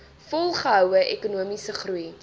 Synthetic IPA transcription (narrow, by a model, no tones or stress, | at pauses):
fɔlˠχəɦœwəʔɛkunuəmisəχrui